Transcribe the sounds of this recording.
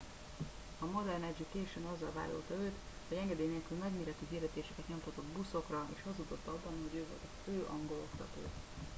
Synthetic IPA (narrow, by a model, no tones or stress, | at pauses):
ɒmod̪ɛrnɛd͡ʒikeːʃønɒzːɒlva̰ːlːo̰lt̪ɒøːt̪ | hoɟɛŋɡɛd̪eːneːlkylmɛɡmeːɾɛt̪yɦird̪ɛt̪eːʃɛkɛt̪ɲo̞mt̪ʰɒt̪o̞d̪buso̞krɒḛːʃhɒzud̪o̞t̪ːɒbːɒnho̞ɟøːvo̞̰lt̪ɒføːʔɒŋɡo̞lo̞kt̪ɒt̪o̰ː